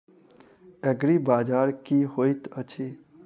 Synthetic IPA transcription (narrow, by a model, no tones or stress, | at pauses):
ɛɡɽibad͡ʒaːɾkiɦojt̪ət͡ʃʰi